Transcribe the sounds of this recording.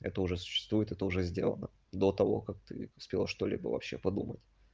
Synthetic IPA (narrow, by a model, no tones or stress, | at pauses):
ɛ̰t̪əʊʐɛsʊ̥ɕːɪ̥st̪vuɪt̪ɛt̪əʊʐɛzʲdʲe̞̰lˠə̰nə | d̪o̞t̪ɐvo̞̰kak̚t̪ɨʊspʲelˠəʂt̪olʲḭbə̰vɐ̰pɕːepɐd̪umətʲ